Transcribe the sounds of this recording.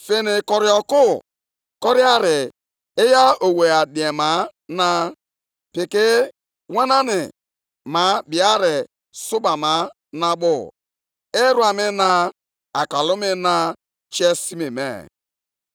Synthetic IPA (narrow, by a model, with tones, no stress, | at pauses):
fe˦nɪ˨kɔ˨ɾɪ˦ɔ˨kʊ˦ | kɔ˦ɾɪ˦a˦ɾɪ˨ | ɪ˦ja˦o˨we˨a˨di˨e˨ma˨˦na˦ | pɪ˨kɪ˦ | wa˦na˦nɪ˨ | ma˨˦bi˨a˦ɾɪ˨ | sʊ˦ba˨ma˨˦ | na˦bʊ̰˨ | ɪ˦ɾu˦a˨mɪ˦na˦ | a˨ka˨lʊ˦mɪ˦na˦ | t͡ʃe˦si˦me˨mḛ˨